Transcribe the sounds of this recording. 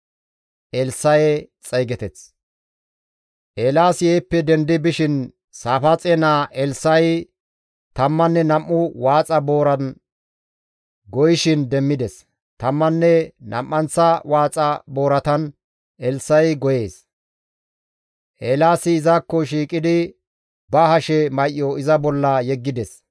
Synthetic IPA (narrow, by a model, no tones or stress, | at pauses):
ʔɛlsːɐjɛt͡sʼɐjɡɛt̪ɛt͡s | ʔeːlaːsɪjɛːpːɛd̪ɛnd̪ɪbɪʃɪn | saːfɐt͡sʼɛnaːʔɛlsɐj | t̪ɐmːɐnːɛnɐmːʊwaːt͡sʼɐbo̞ːɾɐn | ɡɔjɪʃɪnd̪ɛmːɪd̪ɛs | t̪ɐmːɐnːɛnɐ̰mːɐnt͡sːɐwaːt͡sʼɐbo̞ːɾɐt̪ɐn | ʔɛlsːɐjɡɔje̞ːs | ʔeːlaːsɪːzakːɔʃiːkʼɪd̪ɪ | bɐhɐʃɛmɐjʔːɔɪzɐbɔlːɐjɛɡːɪd̪ɛs